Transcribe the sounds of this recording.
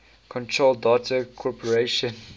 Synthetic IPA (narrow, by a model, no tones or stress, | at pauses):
kʰɔ̃ntʰɹolˠdatʰəkʰɔpʰɔɹeʃə̃n